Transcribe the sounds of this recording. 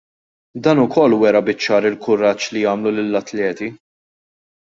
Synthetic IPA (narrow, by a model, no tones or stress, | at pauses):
d̪ɐːnʊkʰɔlːwɛɾɐbɪt͡ʃːɐːɾɪlkʊɾɐt͡ʃːlijɐːmlulɪlːɐt̪lɛːt̪i